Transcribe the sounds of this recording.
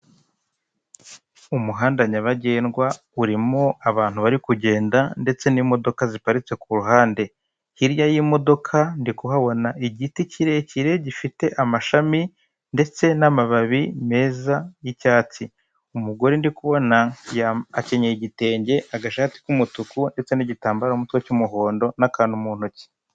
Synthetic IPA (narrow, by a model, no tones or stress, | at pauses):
umuɦaːndaɲaβaɟe̞ːnɡwa | uɾimo̞aβaːn̥huβaɾikuɟe̞ːndande̞t͡se̞nimo̞do̞kazipaɾit͡se̞k̚ʰuɾuɦaːnde̞ | hiɾjajimo̞do̞kʰandikuɦaβo̞naʔiɟiticiɾe̞ciɾe̞ɟifite̞ʔamaʃami | nde̞t͡se̞namaβaβime̞ːzajicaːt͡si | umuɡo̞ɾindikuβo̞najaːce̞ɲeiɟite̞ːɲɟeʔaɡaʃaːti̥kumutukunde̞t͡se̞niɟitaːmbaɾaumutwecumuɦo̞ːndo̞nakaːndumuːn̥oci̥